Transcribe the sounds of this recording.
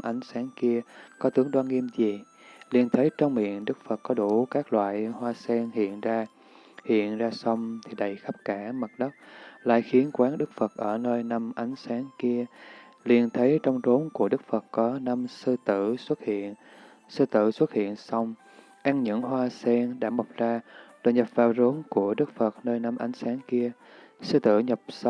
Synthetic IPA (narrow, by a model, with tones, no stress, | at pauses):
ʔa˨˦jŋ̟saː˨˦ŋki˧əkɔ˨˦t̪ɨ˨˦əŋɗwaː˧nŋːi˧əmzi˨˩ | li˧˩ənt̪ʰə˨˦jt͡ɕɔ˧wŋ͡mmḭ˧˨ənɗɨ˦˥k̚fə˨˩t̚kɔ˨˦ɗu˧˩kaː˦˥k̚lwa̰ː˧˨jhwaː˧sɛ˧nhḭ˧˨ənzaː˧ | hḭ˧˨ənzaː˧sə˧wŋ͡mt̪ʰi˨˩ɗə˨˩jxa˦˥p̚kaː˧˩mə˨˩t̚ɗə˦˥wk͡p̚la̰ː˧˨jxi˨˦ənkwaː˨˦nɗɨ˦˥k̚fə˨˩t̚ʔəː˧˩nəː˧jna˧mʔa˨˦jŋ̟saː˨˦ŋki˧ə | li˧˩ənt̪ʰə˨˦jt͡ɕɔ˧wŋ͡mt̪o˨˦nku˧˩əɗɨ˦˥k̚fə˨˩tkɔ˨˦na˧msɨ˧t̪ɨ̰˧˩˨swə˦˥t̚hḭ˧˨ən | sɨ˧t̪ɨ̰˧˨swə˦˥t̚hḭ˧˨ənsa˧wŋ͡m | ʔaː˧ŋɲɨ̰˧˥ŋɦwaː˧sɛ˧nɗa̰ː˧˥ma˨˩k͡p̚zaː˧ɗo̰˧˨˩jɲə˨˩p̚vaː˨˩wzo˨˦nku˧˩əɗɨ˦˥k̚fə˨˩t̚nəː˧jna˧mʔa˨˦jŋ̟saː˨˦nki˧ə | sɨ˧t̪ɨ̰˧˩ɲə˨˩p̚s